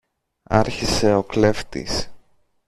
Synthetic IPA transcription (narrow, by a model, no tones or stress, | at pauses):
ɐ̰ɾçise̞o̞kle̞ft̪ḭs